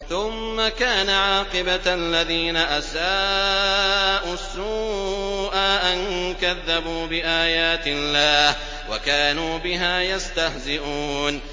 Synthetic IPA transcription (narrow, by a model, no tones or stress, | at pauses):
θʊmːakaːnaʕɑːqɪbaalːaðiːnaʔasaː | ʔuasːuːʔaːʔankaðːabuːbɪʔaːjaːt̪ɪlːaːh | wakaːnuːbɪɦaːjast̪ahzɪʔuːn